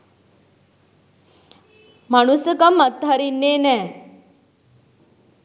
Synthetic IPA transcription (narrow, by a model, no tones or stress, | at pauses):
maɽ̃usəkəmət̪ːaɾinːenɛ